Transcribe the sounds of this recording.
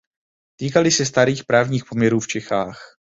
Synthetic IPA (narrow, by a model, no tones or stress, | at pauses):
t̪iːkalɪsɛst̪aɾiːxpɾaːvɲiːxpo̞mɲɛɾuːft͡ʃɛxaːx